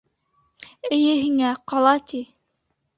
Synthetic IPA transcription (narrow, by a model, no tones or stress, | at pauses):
ɘ̆jɘɦiŋæqɑlˠɑt̪i